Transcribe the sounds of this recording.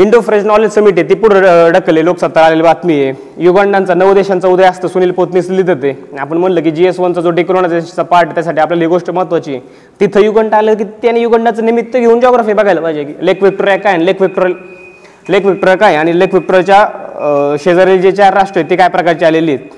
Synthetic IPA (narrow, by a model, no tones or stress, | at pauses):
iɳɖofɾed͡ʑnɔled͡ʑsəmiʈ̬iet̪iːpuɽ̤əɖəkːəleloksat̪ːəɾaleliʋat̪mije | juɡaɳɖant͡sanəʋəd̪eɕant͡saud̪ʱəjast̪əːsuniːlpot̪nislid̪ʱət̪eapəɳm̤əɳləːk̬iːd͡ʑiesʋənt͡sad͡zoɖikɾoɽ̃at͡st͡sapaɾʈt̪jasaʈiapljaliɡoʂʈəməɦət̪ʋat͡ɕiːe | t̪it̪ʰəjuɡəɳɖaləːk̬it̪janejuɡəɳɖat͡sənimit̪ːəɡʱeund͡ʑɔɡɾafiebəɡʱajləbajd͡ʑakilekʋik̚ʈoɾjakajnlekʋik̚ʈoɾ | lekʋik̚ʈɾakajaɽ̃ilekʋik̚ʈuɾat͡ɕja | ɕed͡zəɾeld͡ʑet͡ɕjaɾaʂʈɾəet̪iːkajpɾəkaɾt͡ɕialeliːt̪